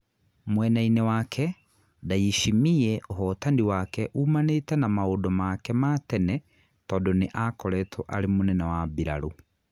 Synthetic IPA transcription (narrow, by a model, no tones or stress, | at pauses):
mwɛnainɛwaːkʰɛ | daiʃimiɛoɦɔtandiwakɛʔumanetɛnamaodɔmakɛmatɛnɛ | tɔːdɔneʔakɔɾɛtʰɔʔaɾemonɛnawabiɾa̰ɾo